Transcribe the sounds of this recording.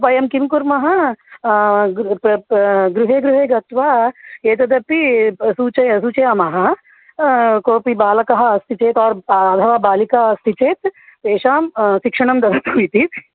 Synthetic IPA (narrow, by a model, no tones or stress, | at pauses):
pɐjɐmkimkuɾmɐɦɐ | ɡɾuɦeːɡɾuɦeːɡɐt̪ʋaːeːt̪ɐd̪ɐpisut͡ʃɐsut͡ʃejɐmɐɦɐ | koːpibaːlɐkɐɦɐ̆ːst̪ʰit͡ʃeːt̪ɔːɾɐd̪ʱɐʋaːbaːlikaɦɐst̪ʰit͡ʃeːt̪peːʃaːmʃikʂɐɳ̃ɐmd̪ɐd̪ɐt̪ɦujt̪it̪